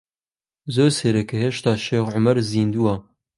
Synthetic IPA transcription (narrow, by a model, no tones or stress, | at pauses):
zoːɾseɾɛkʰeheːʃt̪ɑːʃeːxʕʊmɐɾziːnd̪uwɑ